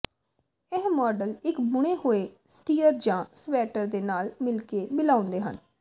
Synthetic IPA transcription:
ɛɦmɔːɖəlɪkbʊɽ̃eːhoːeːsʈiːəɾd͡ʒãːsʋɛːʈəɾd̪eːnaːlmɪlkeːbɪlaːʊ̃nd̪eːɦə̰n

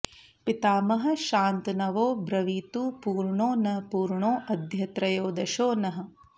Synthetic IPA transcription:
pit̪aːmɐɦɐ̆ʃaːnt̪nɐʋoːbɾɐʋiːt̪uːpuːɾɳoːnɐpuːɾɳoːʔɐd̪ʱjɐt̪ɾɐjoːd̪ɐʃoːnɐɦɐ̆

